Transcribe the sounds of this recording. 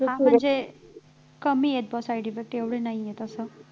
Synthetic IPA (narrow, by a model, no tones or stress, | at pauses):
ãm̤əɳd͡ze | kəmiːjet̪̚bɔsajɖifek̚ʈeʋɽ̤enaɦijet̪əsə